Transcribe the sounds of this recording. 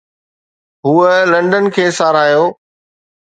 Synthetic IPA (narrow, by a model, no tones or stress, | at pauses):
ɦuːəlɐ̃ɳɖənkʰeːsaːɾaːjoː